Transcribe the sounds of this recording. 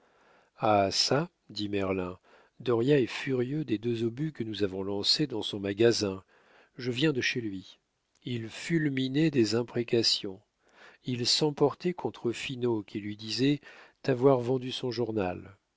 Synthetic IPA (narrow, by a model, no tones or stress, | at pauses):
asa | d̪imɛʁlɛ̃ | d̪ɔʁjaɛfyʁjød̪ed̪øzobykənuzavɔ̃lɑ̃sed̪ɑ̃sɔ̃maɡʲazɛ̃ | ʒəvjɛ̃d̪əʃelɥi | ilfylminɛd̪ezɛ̃pχekasjɔ̃ | ilsɑ̃pɔʁt̪ɛkʰɔ̃t̪χəfinokʲʰilɥid̪izɛt̪avwaʁvɑ̃d̪ysɔ̃ʒuʁnal